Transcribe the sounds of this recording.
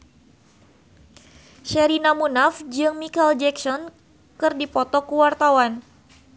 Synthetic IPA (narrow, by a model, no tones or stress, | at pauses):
ʃɛɾinamunafd͡ʒɨŋmikald͡ʒɛksɔn | kɨrdipɔt̪ɔkuwart̪awan